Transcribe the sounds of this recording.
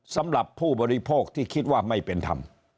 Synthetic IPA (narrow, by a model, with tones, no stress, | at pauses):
sa˨˦˥mɾa˨˩pʰːuː˥˩bɔː˧ɾi˦˧pʰoː˥˩k̚t̪ʰiː˥˩kʰi˦˥t̪̚waː˥˩ma˥˩jpe˧nt̪ʰa̰˧m